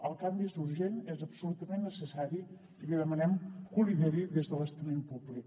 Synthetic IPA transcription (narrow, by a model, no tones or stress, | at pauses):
əlˠkambisuɾʒenɛzəpsulut̪əmenːəsəsaɾi | liðəmənɛmkuliðɛɾiðezðəlˠəst̪əmempublik